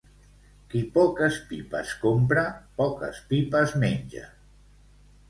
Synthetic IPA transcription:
kipɔkəspipa̰skompɾapɔkə̰spipəzmeɲʲʒə̰

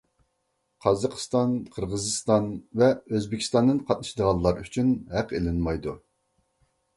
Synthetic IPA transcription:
qʰɑzɑqʰə̥st̪ɑnqʰəɾʁəzɨst̪ɑnvɛøzbɪkʲʰi̥st̪ɑnd̪ɨnqʰɑt̪nɨʃid̪əʁɑnˠːɑɾyt͡ʃʰynɦæqelɪnmɑjd̪u

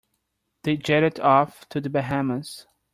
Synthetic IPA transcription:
ð̥eɪd͡ʒɛɾɨɾɔftʰɨðɨbɨɦæməz̥

